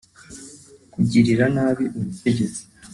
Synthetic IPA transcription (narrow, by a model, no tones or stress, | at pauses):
kuɟiɾiɾanaːβiʔuβutʰe̞ɟe̞t͡si̥